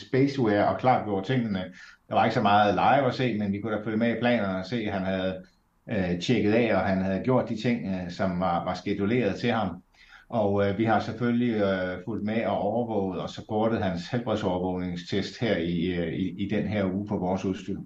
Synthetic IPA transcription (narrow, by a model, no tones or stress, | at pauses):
sb̥esweɒ̽kʰlɑ̰̈ːd̥ɡjo̝̰ɐ̰d̥̚t͡sʰe̝ŋ̰̩nəd̥ɑ̈ʋɑ̈e̝ɡ̥sɒ̽mɑ̈ːð̩ˠlɑ̈ɪʋɒ̽se̝̰ːmenʋikʰud̥æføləmeipʰlɛ̰ːnɐnɒ̽se̝̰ːhænhæð̞̩ˠ | t͡ɕʰeɡ̥əð̩ˠɛ̰ːɒ̽ɦænhæð̞̩ˠɡ̥jo̝̰ɐ̰d̥ːit͡sʰe̝ŋ̰sɒ̽mʋɑ̈ʋɑ̈sɡ̥ed̥ule̝̰ːɐð̞̩ˠt͡sʰe̝hɑ̈m | ʔɒ̽ʋihɑ̈seføliful̰d̥̚meɒ̽ʔɒʊɐʋɔʊ̰ð̩ˠɒ̽sɒpʰoɐd̥əð̞̩ˠhænshelb̥ʁiðˠsɒʊɐʋɔʊne̝ŋst͡sʰesd̥heɐ̰iiːd̥enɦæɐ̰uːpʰɒ̽ʋɒːsuðˠsd̥y